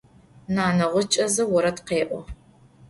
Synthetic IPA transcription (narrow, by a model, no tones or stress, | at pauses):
naːnɐʁʷʊt͡ʃʼɐzɐwɔɾɐtqeːʔʷɔ̰